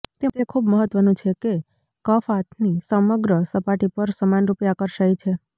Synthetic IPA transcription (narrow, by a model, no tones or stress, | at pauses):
t̪et̪ekʰubməɦət̪ʋənũt͡ʃʰeke | kəfat̪ʰnisəməɡɾəsəpaʈipəɾsəmanɾupjakəɾʃajt͡ʃʰe